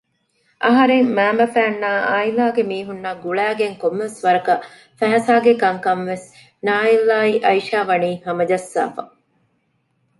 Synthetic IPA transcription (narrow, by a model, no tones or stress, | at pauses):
ʔɐɦɐɾeŋmæːmɐfæːnːaːʔaːilaːɡemiːɦunːaːɡuɭæːɡeŋkomːeʋesʋɐɾɐkɐ | fæɦɐsaːɡekɐŋkɐnʋes | naːilːaːiʔɐiʃaːʋɐniːhɐmɐd͡ʒɐsːa̰ːfɐ̰